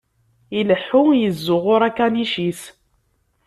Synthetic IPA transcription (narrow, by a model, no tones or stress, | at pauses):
iləħːujəzːʊʁʊɾækːæniʃis